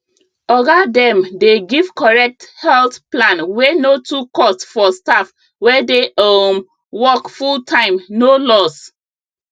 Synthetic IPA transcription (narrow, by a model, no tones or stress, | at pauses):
ɔɡadɛ̃mdeɡivkɔɹɛk̚thɛltplãnwenotukɔstfɔstaf | wɛdeʔɔm | wɔkfultʰãɪ̃mnolɔs